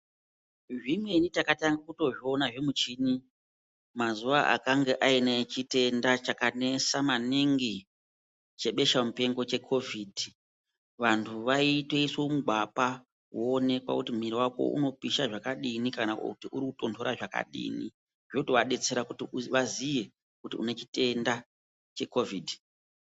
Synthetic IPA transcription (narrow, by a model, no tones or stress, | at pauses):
ʐimwe̞nitakataŋɡakuto̞ʐio̞naʐe̞mut͡ʃini | mazuʋaʔa̰kaŋɡeʔainaet͡ʃite̞ndat͡ʃakane̞samaniŋɡi | t͡ʃe̞ɓe̞ʃamupe̞ŋɡo̞t͡ʃe̞kʰo̞vʱidʱi | ʋantʰuʋaitwe̞isomuɡʱwapa | woːne̞kwa̰kutimiɾiwako̞̰ʔṵno̞piʃaʐakaɗinikanaktiʔuɾikuto̞ntʰo̞ɾaʐaka̰ɗḭnḭ | ʐotoʋaɗe̞t͡se̞ɾakutiuʋazije̞ | kutiṵne̞t͡ʃi̥te̞nda | t͡ʃe̞ko̞vʱiːdʱi